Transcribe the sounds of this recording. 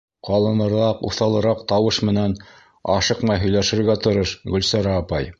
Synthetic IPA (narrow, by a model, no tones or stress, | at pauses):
qɑlˠɤ̆nɤ̆ɾɑqṵθɑlˠɤ̆ɾɑqt̪ɑwɤʃmɘ̆næn | ɑʃɤqmɑɦɵ̆jlæʃɘ̆ɾɡæt̪ŏɾɤʃɡɵ̆lsæɾæːpɑj